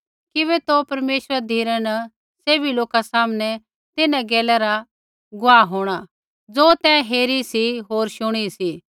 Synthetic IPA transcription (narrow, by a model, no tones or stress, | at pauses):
kɪβɛt̪opɐɾmeːʃəɾad̪ʱiːɾanɐ | seːbiloːkasaːmnɛ | t̪ɪnãɡɛːlɛɾa | ɡʊaːɦoːɽ̃a | d͡zoːt̪ɛ̃ːɦeːɾisiɦoːɾʃʊɽ̃isi